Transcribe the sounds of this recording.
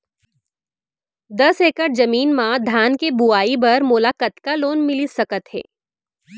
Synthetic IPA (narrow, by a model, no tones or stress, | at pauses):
d̪ɐseːkəʈ̚d͡ʒɐmiːnmãd̪ʱaːnkebuaːibɐɾmoːlaːkət̪kaloːnmɪlisɐkət̪ɦɛ̰ː